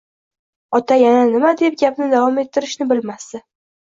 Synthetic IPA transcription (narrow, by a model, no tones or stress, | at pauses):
ɒt̪ʰajananɪmad̪e̞p̚ɡʲapnɪd̪avɒme̞t̪ʰːɪɾɪʃnɪbɪlmasɪ